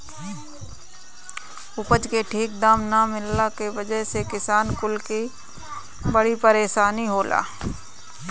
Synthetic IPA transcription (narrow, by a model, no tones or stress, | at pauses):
ʊpəd͡ʒkeʈʰiːk̚d̪aːmnamɪlːakeʋɐd͡ʒəɦsekɪsaːnkʊlki | bəɽipəɾeːʃaːniɦoːla̰ː